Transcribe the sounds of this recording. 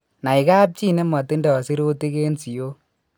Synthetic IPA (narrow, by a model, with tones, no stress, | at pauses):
na˨ɪ˨ka˦p̬̚t͡ʃi˦ne˦mɔ˨ti˦ndɛ˨ɔ˨si˦ɾo˦ti˦ke˦nsi˨jo˦